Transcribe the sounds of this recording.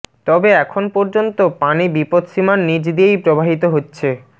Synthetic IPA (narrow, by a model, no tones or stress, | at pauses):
t̪ɔbeɛkʰonpɔɾd͡ʑont̪opanibipod̪ʃimaɾnid͡ʑd̪iejpɾobʱaɦit̪oɦotːɕʰe